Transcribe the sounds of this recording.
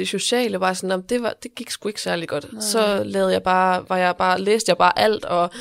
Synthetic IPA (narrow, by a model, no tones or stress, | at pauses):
d̥eɕo̝ɕɛ̰ːləʋɑ̈ːsɒ̽nːɒm̩d̥e̝ʋɑd̥e̝ɡ̥iɡ̥sɡ̥ue̝ɡ̥sæɐliɡ̥ɒ̽d̥sɒ̽lɛːðˠjɑ̈ɪb̥ɑ̈ːʋɑ̈jɑ̈ɪb̥ɑ̈ːleːsd̥əjɑ̈b̥ɑ̈ːʔæl̰d̥ɒ̽